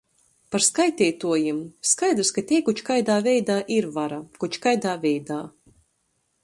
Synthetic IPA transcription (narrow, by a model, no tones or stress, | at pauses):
paɾskajt̪ʲɛːjt̪uɔjimskajd̪ɾskat̪ʲiɛkut͡ʃkajd̪aːvʲɛjd̪aːʔiɾvaɾakut͡ʃkajd̪aːvʲɛjd̪aː